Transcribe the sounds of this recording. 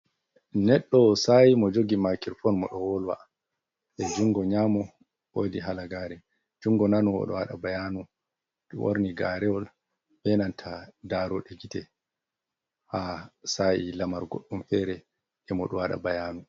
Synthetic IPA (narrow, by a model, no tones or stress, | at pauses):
nɛɗːɔsajimɔd͡ʒoɡimakiɾfɔnmɔɗɔwɔlwa̰ | ɛd͡ʒuŋɡɔɲamɔ | wodiɦalaɡaːɾɛ | d͡ʒuŋɡɔnanuɔ̰ɗɔ̰waɗa̰bajanu | ɗ̰wo̰ɾniɡaɾɛwɔl | bɛnantʰadaːɾɔɗɛɡitɛ | hasajilamaɾɡoɗːumfɛɾɛ | ɛmɔɗɔwaɗa̰bajaːnu